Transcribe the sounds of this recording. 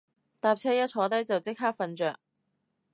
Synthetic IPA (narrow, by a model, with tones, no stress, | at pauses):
t̪aː˨p̚t͡sʰɛː˥jɐ˥t̚t͡sʰɔː˨˧˥t̪ɐ˥jt͡sɐ˨wt͡sɪ˥k̚ɦaː˥k̚fɐ˧nt͡ʃœː˨k̚